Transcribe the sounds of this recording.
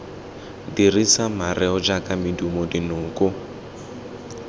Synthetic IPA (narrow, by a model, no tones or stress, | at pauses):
dirisamarʔɛɔd͡ʒakʼamidumɔdinʊːkʼʊ